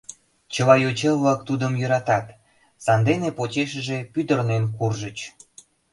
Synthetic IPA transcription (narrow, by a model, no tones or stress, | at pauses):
t͡ɕəlɑjot͡ɕelβlɑk̚t̪ud̪əmjøɾɑt̪ɑt̪ | sɑnd̪enepot͡ɕeʃəʒepyd̪ərnenkurʒət͡ɕ